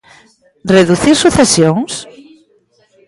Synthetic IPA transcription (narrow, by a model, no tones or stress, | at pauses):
reðuθiɾsuθesjoŋs